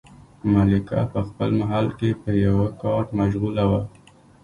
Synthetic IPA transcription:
malɪka̰pəxpəlmaɦalkepəjawakɑʈmaʃɣulawa

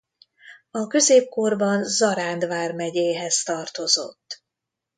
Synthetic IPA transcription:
ɒkø̞zeːp̚korbɒnzɒɾaːnd̪vaːrmɛɟeːɦɛzt̪ɒrt̪o̞zo̞̰t̪ː

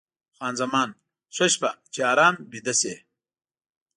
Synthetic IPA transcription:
xwaːnzɐmaːn | soɕpɐt͡ɕeaːɾaːmbid̪ɐseː

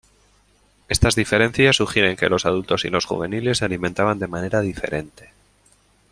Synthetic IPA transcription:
e̞st̪azðife̞ɾe̞nθjasːuxje̞ɾe̞ŋke̞lo̞sað̞ult̪o̞sḭlo̞sxṵβe̞nile̞saliment̪aβand̪e̞mãne̞ɾaðife̞ɾe̞nt̪e

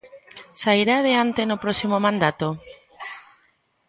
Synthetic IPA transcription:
saiɾað̞eant̪enʊpɾɔsimomãnd̪at̪o

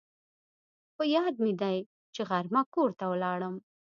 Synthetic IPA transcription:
xojɑd̪̚mɪd̪aj | t͡ʃeɣaɾmakoɾt̪awəlɑɽəm

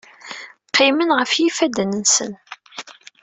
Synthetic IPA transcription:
qːɪmənʁəfjifæd̪nənsə̰n

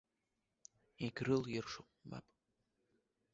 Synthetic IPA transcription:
iɡʲrɨljɪrʂo | ma̰pʼ

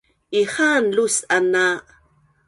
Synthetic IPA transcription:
ʔiχanlusana

